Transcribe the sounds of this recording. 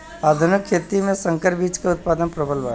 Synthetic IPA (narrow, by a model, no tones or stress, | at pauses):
aːd̪ʱʊnɪkʰːeːt̪imẽsɐ̃ŋkəɾbiːt͡ʃkaʊt̪̚paːd̪ənpɾəbəlʋa̰ː